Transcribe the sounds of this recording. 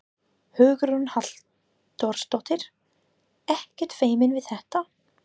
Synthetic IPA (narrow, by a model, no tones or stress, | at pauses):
hʏːɣɾunhal̥ | t̪ːɔɾst̪ɔwht̪ɪɾ̥ | ɛhcɛɾ̥t̪feːjmɪnvɪðθɛht̪a